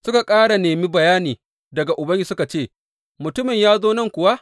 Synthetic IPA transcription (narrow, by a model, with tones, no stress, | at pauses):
sʊ˦ka˨kʼaː˦ɽa˨neː˨mi˦bɐ˨jaː˦niː˨ | dɐ˨ɡa˨ʔʊ˨bɐ˦ŋɡʲi˦sʊ˦ka˨t͡ʃeː˦˨ | mʊ˨tʊ˦mɪ˨ɲjaː˦zoː˦nɐ˦˨ŋkʷʊ˨wa˦ʔ